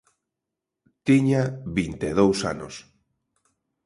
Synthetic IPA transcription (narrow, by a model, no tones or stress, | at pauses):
t̪iɲaβint̪eðowsa̰no̰s